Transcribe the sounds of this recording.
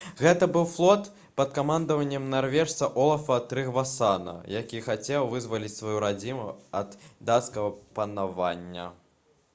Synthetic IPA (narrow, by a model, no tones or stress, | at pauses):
ɣɛt̪ɐbɨwflˠɔt̪ | pɐt̪kamand̪ɐvɐnʲːɛmnarvʲɛʂt̪sɐʔɔlˠɐfɐt̪ɾɨɣvasanɐ̰jakʲixat͡sʲɛwvɨzvɐlʲit͡sʲsvajuɾad͡zʲimuɐd̪d̪at̪skɐɣɐpɐnava̰nʲːɐ̰